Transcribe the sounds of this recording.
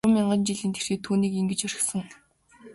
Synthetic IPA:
ə̆mːiɴɢə̆nt͡ɕiɮiːnt̪ʰe̥r̥xeːt̪ʰuːniːkiŋɡɘ̆t͡ɕœɾʲɪ̆xsə̆ŋ

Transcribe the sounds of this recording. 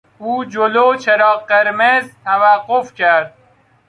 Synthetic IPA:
uːd͡ʒoloːt͡ʃʰeɾɒːqeɾmezt̪ʰæʋæqːofkʲʰæɾd̪̚

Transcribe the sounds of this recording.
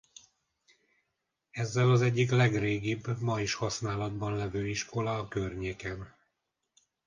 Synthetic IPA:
ɛzːɛlɒzɛɟːik̬lɛɡreːɡibmɒiʃhɒsnaːlɒd̪bɒnlɛvøːiʃkʰo̞lɒːkørɲeːkɛn

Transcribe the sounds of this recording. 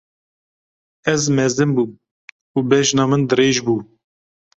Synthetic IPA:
ɛzmɛzɨmbuː | uːbɛʃnɑːmɨnd̪ɨɾeːʒbuː

